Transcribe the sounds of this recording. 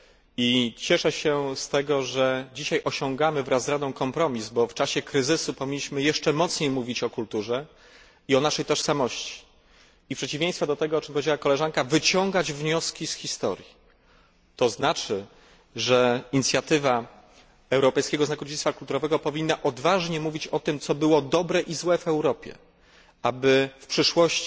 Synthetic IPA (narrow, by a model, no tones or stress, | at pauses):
it͡ɕɛʂɛɕɛst̪ɛɡɔʐɛd͡ʑiɕajʔɔɕɔ̃ŋɡamɘvɾazːɾad̪ɔ̃w̃kɔmpɾɔmʲizbɔft͡ʂaɕɛkɾɘzɘsupɔvʲiɲːiɕmɘjɛʂt͡ʂɛmɔt̪sɲejmuvʲit͡ɕɔkult̪uʐɛ | iɔnaʂɛjt̪ɔʂsamɔɕt͡ɕi̥ː | pʂɛt͡ɕivʲjẽj̃st̪fɔd̪ɔt̪ɛɡɔɔt͡ʂɘmpɔvʲed͡ʑawakɔlɛʐaŋkavɘt͡ɕɔ̃ŋɡad͡ʑvɲɔskʲisxʲist̪ɔ̰ɾʲji | t̪ɔznat͡ʂɘ | ʐɛiɲit̪sʲjat̪ɘva | ɛwɾɔpɛjskʲɛɡɔznaɡɾɔd͡ʑit̪sfakult̪uɾɔvɛɡɔpɔvʲinːaʔɔd̪vaʐɲɛmuvʲit͡ɕɔt̪ɘmt̪sɔbɘwɔd̪ɔbɾɛʔizwɛvɛwɾɔpʲjɛ̰ | abɘfpʂɘʂwɔɕt͡ɕ